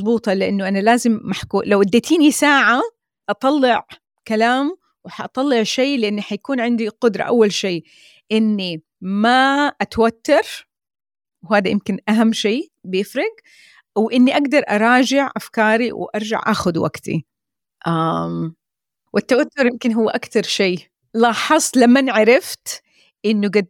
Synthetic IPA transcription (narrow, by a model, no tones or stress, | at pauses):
zˤbuːt̪ˤɑlɪʔanːʊʔanalaːzɪmːaħkuːlawʔad̪ːaːt̪ʰiːnisaːʕa | ʔɑt̪ˤɑlːɪʕ | kalaːm | wɪħaʔɑt̪ˤɑlːɪʕʃeːlɪʔɪnːiħajakuːnʕɪnd̪iqʊd̪ɾˤɑ̰ʔa̰wːalʃiː | ʔɪnːi | maʔat̪awat̪ːɑɾˤ | wɦaːd̪ajɪmkɪnʔaɦamːʃeːbɪjɪfɾɑɡ | wʔɪnːiʔaɡd̪ɑɾˤʔɑɾˤɑːd͡ʒɪʕʔafkɑːɾiwʔɑɾˤd͡ʒa̰ʕʔaːxʊd̪wa̰ɡt̪ḭ | ʔam | wʔɪt̪ːawat̪ːʊɾˤjɪmkɪnɦʊːʔakt̪ɑɾˤʃeː | lɑːħɑsˤlamːanʕaɾɪft̪ | ʔɪnːuɡad̪